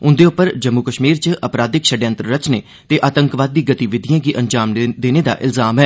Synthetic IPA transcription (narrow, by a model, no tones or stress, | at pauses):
ʊ̃nd̪eːʊpːəɾd͡ʒəmːukəʃmiːɾt͡ʃəpɾaːd̪ɪkʃəɖjə̃nt̪ɾəɾət͡ʃneː | t̪eːʔaːt̪əŋkʋaːd̪̚ːiːɡət̪iʋɪd̪ʱijãːɡiːʔəɲd͡ʒaːmd̪eːneːd̪a̰ːʔɪ̰lzaːmɦɛː